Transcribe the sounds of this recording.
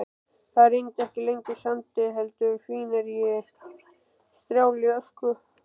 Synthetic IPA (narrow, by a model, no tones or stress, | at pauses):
θaɾeɲcɛhcɪleɲcɪsamt̪ɪɦɛlt̪ʏfiːnaɾjɪ | st̪ɾjaːwljœskʏ